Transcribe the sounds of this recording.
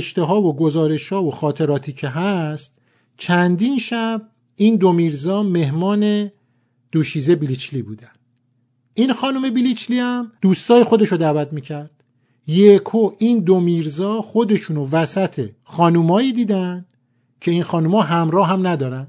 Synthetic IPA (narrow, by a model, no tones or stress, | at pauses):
ʃt̪e̞ɦɒːvoɡo̞zɒːɾe̞ʃhɒːvoxɒːt̪ʰe̞ɾɒːt̪ʰiːcʰeɦæst̪̚ | t͡ʃʰænd̪iːnʃæb̚ | iːnd̪omiːɾzɒːme̞hmɒːne̞ | d̪̥uːʃiːzebilit͡ʃʰliːbuːd̪ænd̪̥ | iːnxɒːnume̞bilit͡ʃliːhæmd̪̥uːst̪ɒːje̞xo̞d̪eʃod̪æːvæt̪miːcʰæɾd̪̥ | jekʰoʔiːnd̪omiːɾzɒːxo̞d̪e̞ʃuːnovæsæt̪ʰe̞xɒːnumɒːjiːd̪iːd̪ænd̪ | cʰe̞inxɒːnuːmɒːɦæmɾɒːɦæmnæd̪ɒːɾænd̪̥